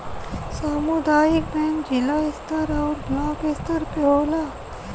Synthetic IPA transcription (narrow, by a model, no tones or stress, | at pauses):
samud̪aːjik̚bʱɛnd͡ʑilaist̪əɾawɾblaːkist̪əɾpɔla